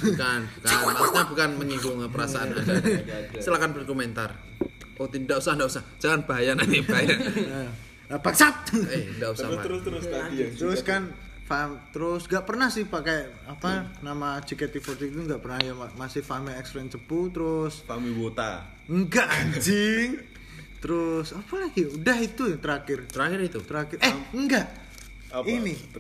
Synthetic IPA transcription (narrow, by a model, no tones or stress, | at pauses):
kanbəkaaɲabukanməɲiɡʊŋpəɾasaanandasəlakanbərkoment̪ar | ot̪idaʔusahndaʔusahd͡ʒ̥aŋanb̥aɦajanaibaɦaja | əb̥ak̚t͡ʃap̚endaʔussahaɾɾat̪əɾʊskan | famt̪əɾʊsŋɡaʔpərnahsɪhpaka | apanamat͡ʃikɛt̪ifɔrt̪it̪uŋɡaʔpərnajaamasɪhfamiɛksɾɛnt͡ʃəput̪əɾʊsfamiwot̪a̰ | əŋɡaʔad͡ʒɪŋ | t̪əɾʊsapalaɡiudahit̪ujt̪əɾakɪrt̪əɾakɪrit̪ut̪əɾakɪrɛhəŋɡaʔ | ini